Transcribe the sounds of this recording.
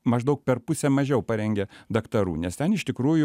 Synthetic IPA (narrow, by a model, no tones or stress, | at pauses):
mɐʒd̪ɐʊk̚pʲɛrpʊsʲɛmɐʒʲɛʊpɐɾʲɛŋʲɡʲɛd̪ɐkt̪ɐɾṵːnʲɛst̪ʲɛnɪʃt̪ʲɪkɾuːjʊ